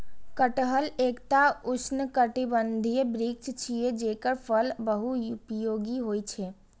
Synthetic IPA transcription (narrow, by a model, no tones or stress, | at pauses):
kəʈɦəlekt̪aʊsʰnəkəʈibənd̪ʱijəbɾik̚t͡ʃt͡ʃʰijed͡ʒeːkəɾpʰəlbəɦujupjoːɡiɦoːjt͡ʃʰɛ